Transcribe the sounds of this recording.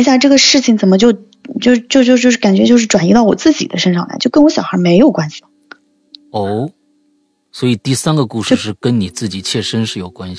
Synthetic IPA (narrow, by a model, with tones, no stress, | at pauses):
ɕ̬ja˥˧ʈ͡ʂɤ˥˩ɡə˩ʂɻ̩˥˩t͡ɕʰi˩ŋt͡sə˨˩nmə˦t͡ɕjo˥˧ʊ | t͡ɕjo˥˧ʊt͡ɕjo˥˧ʊt͡ɕjo˥˧ʊt͡ɕjo˥˧ʂɻ̩˥˩ka˨˩nt͡ɕɥɛ˧˥t͡ɕjo˥˧ʊʂɻ̩˥˩ʈ͡ʂwa˨˩ni˥t̪ɑ˥˩ʊwɔ˨˩t͡sɹ̩˥˩t͡ɕḭ˨˩d̪ə̰˦ʂə˥nʂɑ˥˩ŋla̰˧˥t͡ɕo˥˩ʊkə˥nwɔ˧˥ɕjɑ˨˩ʊxə˞˧˥me˧˥ɪjo˨˩ʊkwa˥nɕi̥˨l | o˥˩ʊ | swɔ˧˥i˨˩t̪i˥˩sa˥nɡə˨ku˥˧ʂɻʂɻ̩˥˩kə˥nni˨˩t͡sɹ̩˥˩t͡ɕi˨˩t͡ɕʰjɛ˥˩ʂə˥nʂɻ̩˥˩jo˨˩ʊkwa˥n